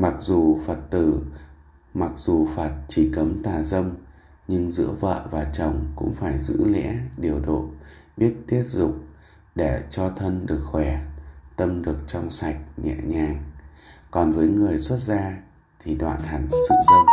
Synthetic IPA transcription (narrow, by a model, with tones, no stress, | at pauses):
ma˨˩k̚zu˨˩fəː˨˩t̚t̪ɨ˧˩ | ma˨˩k̚zu˨˩faː˨˩t̚t͡ɕi˧˩kə˨˦mt̪aː˨˩zə˧m | ɲɨ˧ŋzɨ̰˧˥əvə̰ː˧˨vaː˨˩t͡ɕə˨˩wŋ͡mkʊ̰˧˥ŋ͡mfaː˧˩jzɨ̰˧˥lɛ̰˧˥ɗi˨˩əwɗo̰˧˨ɓi˦˥ət̚t̪i˦˥ət̚zʊ̰˧˨k͡p̚ | ɗe˧˩t͡ɕɔ˧t̪ʰə˧nɗɨ˨˩ək̚xwɛ˧˩t̪ə˧mɗɨ˨˩ək̚t͡ɕɔ˧wŋ͡msa˨˩jk̟̚ɲɛ̰˧˨ɲaː˨˩ŋkɔ˨˩nvəː˨˦jŋɨ˨˩əjswə˦˥t̚zaː˧ | t̪ʰi˨˩ɗwa̰ː˧˨nha˨˩jŋ̟zɨ̰˧˨zə˧